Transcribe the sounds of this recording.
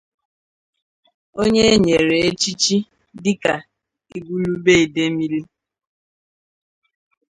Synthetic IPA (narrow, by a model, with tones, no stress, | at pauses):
o˦ɲe˦ɲe˨ɾe˨e˦t͡ʃi˦t͡ʃi˦ | dɪ˦ka˨ | i˨ɡu˦lu˦be˦i˨de˦mi˦li˦